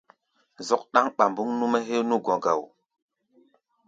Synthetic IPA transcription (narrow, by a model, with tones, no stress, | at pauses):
zɔ˦k̚ɗa˦ŋɓa˨mbu˦ŋnu˦mɛ˦ɦe˦nu˦ɡɔ̃˨ɡa˨w